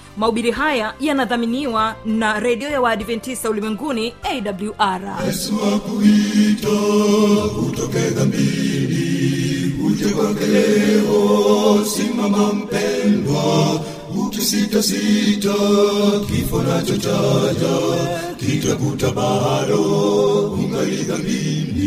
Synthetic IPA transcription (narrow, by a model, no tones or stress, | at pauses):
mauɓiɾiɦajajanaðaminiwanaɾɛɗiɔjawaɗivɛntisaulimwɛŋɡuniɛjɗabljuʔaɾhɛsuwakuita | kutɔfɛðamimi | uʄɛkɔŋɡɛlɛwɔsimamam̩pɛnɡwa | ɡutisitasitakifɔnat͡ʃɔt͡ʃad͡ʒa | kitakutaɓaɗɔkuŋɡaliðamini